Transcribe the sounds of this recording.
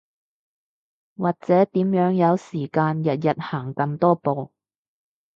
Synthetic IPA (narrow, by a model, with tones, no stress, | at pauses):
waː˨k̚t͡sɛː˨˥t̪iː˨˥mjœː˨˥ŋjɐ˨˧wsiː˨˩kaː˧njɐ˨t̚jɐ˨t̚haː˨˩ŋkɐ˧mt̪ɔː˥po˨˧w